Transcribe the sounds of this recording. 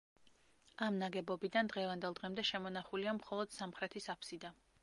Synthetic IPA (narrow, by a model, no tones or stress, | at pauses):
amnaɡɛbɔbid̪and̪ʁɛvand̪ɛlˠd̪ʁɛmd̪ɛʃɛmɔnaχuliamχɔlˠɔd̪̥samχɾɛt̪ʰisapʰsid̪a